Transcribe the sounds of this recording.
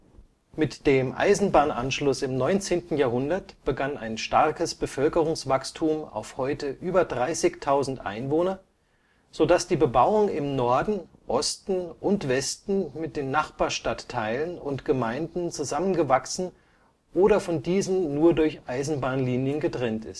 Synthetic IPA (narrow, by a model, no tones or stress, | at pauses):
mɪtd̥eːmʔa̰ɪzn̩baːnʔa̰nʃlʊsɪmnɔʏnt͡seːntn̩jaːɐhʊndɐtb̥əɡana̰ɪnʃtaʁkəsb̥əfœlkəʁ̞ʊŋsv̥akstʰuːma̰ʊfhɔʏtəʔyːbɐdʁaɪsɪçtʰaʊzn̩tʔa̰ɪnvoːnɐ | z̥odasd̥iːbəbaʊʊŋɪmnɔɐdn̩ʔɔstn̩ʔʊntv̥ɛstn̩mɪt̚d̥eːnːaχb̥aːɐʃtatʰːaɪlənʊntɡ̥əmaɪndn̩t͡suzamənɡəvaksn̩ | ʔoːɾɐfɔndiːzn̩nuːɐdʊɐçʔaɪzn̩baːnliːnjənɡətʁ̥ɛntɪ̰st